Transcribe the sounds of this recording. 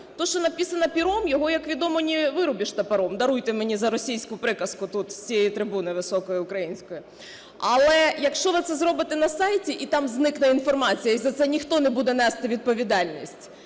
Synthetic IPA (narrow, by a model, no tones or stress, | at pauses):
t̪ɔʃt͡ʃɔnɐpʲisɐnɐpʲiɾɔmjɔɦɔjɐkʋʲid̪ɔmɔnʲiʋɪɾʊbʲiʃt̪ɐpɐɾɔmd̪ɐɾujt̪ɪmenʲizɐɾɔsʲijsʲkʊpɾɪkɐskʊt̪ut̪sʲt͡sʲijɛjit̪ɾɪbunɪʋɪsɔkɔjiʊkɾɐjinʲsʲkɔji | ɐlˠɛjɐkʃt͡ʃɔʋɪt̪ɛzɾɔbɪt̪ɪnɐsɑjtʲiʔit̪ɑmznɪknɛinfɔrmɑt͡sʲijɐizɐt̪sɛnʲixt̪ɔnɛbud̪ɛnɛst̪ɪʋʲid̪̚pɔʋʲid̪ɑlʲnʲisʲtʲ